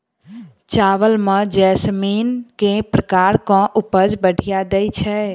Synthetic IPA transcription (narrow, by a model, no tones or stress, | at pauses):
t͡ʃaʋəlmə̃d͡ʒɛsminkẽpɾəkaɾkɔ̃ʔupəd͡ʒbəɽʱijad̪ɛjt͡ʃʰɛ